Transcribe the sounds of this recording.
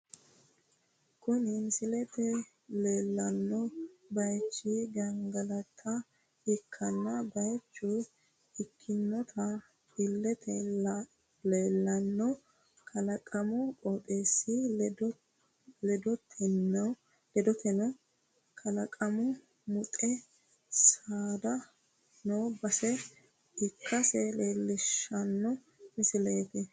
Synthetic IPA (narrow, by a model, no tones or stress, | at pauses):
kʊnɪmsɪlɛt̪ɛ | leːlːɐnːɔbɐjt͡ʃːɪɡɐŋɡɐlɐt̪ʰːɐ | ɪkʰːɐnːɐbɐjt͡ʃːʊ | ɪkʰːɪnːɔt̪ʰɐ | ɪlːɛt̪ɛ | leːlːɐnːɔ | kʰɐlɐkʼɐmɔkʼoːt̪ʼeːsːɪd̪ | lɛd̪ɔt̪ʰɛnɐ | lɛd̪ɔt̪ɛnɔ | kʰɐlɐkʼɐmʊ | mʊt̪ʼɛ | saːd̪ɐ | noːbɐsɛ | ɪkʰːɐsɛleːlːɪʃːɐnːɔ | mɪsɪleːt̪ɛ